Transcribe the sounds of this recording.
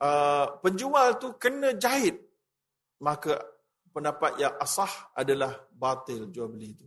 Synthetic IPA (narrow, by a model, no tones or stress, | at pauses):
ʔəpəɲd͡ʒualt̪ukənə̃d͡ʒaɪt̪̚ | mãka | pəndapat̪̚jaŋʔasɑha̰dalahbat̪ɪld͡ʒualbəlit̪u